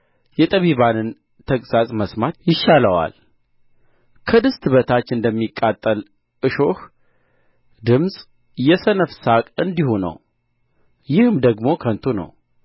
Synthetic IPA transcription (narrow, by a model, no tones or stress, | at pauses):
jɛt̪ʼəβiβanɨn | t̪ʰəkʼsasʼməsmat̪jɪʃːaləwa̰l | kʰəd̪ɨst̪ʰɨβət̪ʰat͡ʃːɨnd̪əmːikʼːat̪ʼːəl | ʔɨʃo̞h | d̪ɨmsʼ | jɛsənəfsakʼɨnd̪ihunə̰w | jɪhɨmd̪əɡmo̞kʰənt̪ʰunə̰w